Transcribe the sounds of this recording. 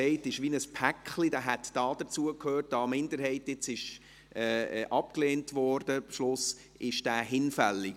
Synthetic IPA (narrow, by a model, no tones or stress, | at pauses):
ɛɪtɪʃʋinəspʰækχlidæːɦɛtd̥ɑːd̥ət͡suəkʰhøːrt̚d̥ɑːmɪndəɾɦɛɪtɪt͡sɪʃ | ʔɛːʔɑp̚kleːntʋɔːɾd̥əbʃlʊs | ʔɪʃd̥æːɦɪnfælːi